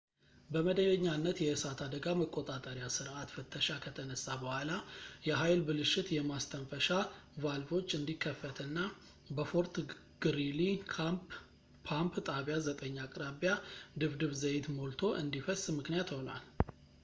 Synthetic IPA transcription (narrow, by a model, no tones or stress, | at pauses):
bəməd̪əjəɲːanːət̪jɛɨsat̪ʰad̪əɡaməkʼːot̪ʼat̪ʼəɾjasɨɾʔat̪fɨt̪ʰːəʃakʰət̪ʰənəsːabəhʷalajɛɦajlbɨlɨʃɪt̪jɛmast̪ʰənfəʃavalvo̞t͡ʃːɨnd̪ikʰːəfːət̪ʰɨnːa | bəfo̞ɾt̪ | ɡ̥ɨɾili | pʰampt̪ʼaβjazət̪ʼəɲːakʼɾaβjad̪ɨβd̪ɨβzəjet̪molt̪ʰo̞ʔɨnd̪ifəsmɨknijat̪ho̞na̰l